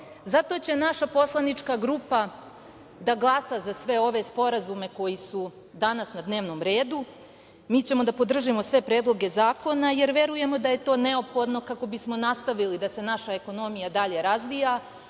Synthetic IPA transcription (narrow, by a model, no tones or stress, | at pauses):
zat̪o̞t͡ɕe̞naʃapo̞slˠanit͡ʂkaɡɾuːpa | d̪aɡlˠasazasʋe̞o̞ʋe̞spo̞ɾazume̞ko̞jisu | d̪anasnad̪neːʋno̞ːmɾe̞ːd̪u | miːt͡ɕe̞mo̞d̪apo̞d̪r̩ʒimo̞sʋe̞pɾe̞ːd̪lˠo̞ɡe̞zaːko̞naje̞ɾʋe̞ɾuje̞mo̞d̪aje̞t̪o̞ːne̞o̞pxo̞d̪no̞kako̞bismo̞nast̪aʋilid̪ase̞naʃae̞ko̞no̞mijad̪aʎe̞ɾazʋija